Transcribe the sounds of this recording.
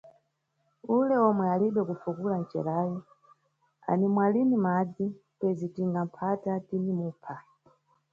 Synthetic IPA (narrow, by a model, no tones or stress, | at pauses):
ulɛɔmwɛaliɓɛkufukulan̩t͡ʃɛ̰ɾaːjɔ | a̰nimwalinimad͡zi | pɛzitiŋɡam̩pʰatatinimuːpʰa